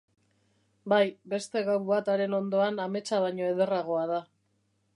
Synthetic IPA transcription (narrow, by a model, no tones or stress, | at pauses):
bajbe̞st̪e̞ɣawβat̪aɾe̞no̞nd̪o̞aname̞t͡saβaɲo̞e̞ðe̞raɣ̞o̞aða